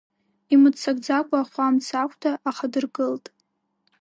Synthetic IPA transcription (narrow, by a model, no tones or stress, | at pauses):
imɨdt͡sʰaɡ̚d͡zakʷʼaχʷamt͡sʰakʷʰʼtʰaʔaχadɨrɡɨltʼ